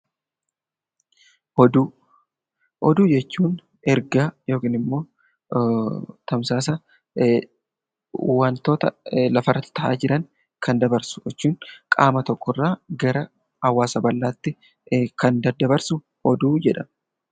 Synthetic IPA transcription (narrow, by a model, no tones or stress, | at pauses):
ɔd̪uː | ʔɔd̪uːd͡ʒɛt͡ʃːuːn | ɛɾɡaːjo̞ːkiːnɪmːo̞ː | t̪ɐmsaːs̬ɐ | want̪o̞ːt̪ɐlɐfɐrːɐt̪ːɪ̥t̪ɐʔa̰ːd͡ʒɪɾɐŋ | kʰɐnd̪ɐbɐɾsʊ̥jɛt͡ʃːuːŋkʼaːmɐt̪ɔkːɔrːaːɡɐɾɐ | hɐwːaːsɐbɐlːaːt̪ːɪ | kɐnd̪ɐd̪ːɐbɐɾsʊ | ɔd̪uːd͡ʒɛᶑɐn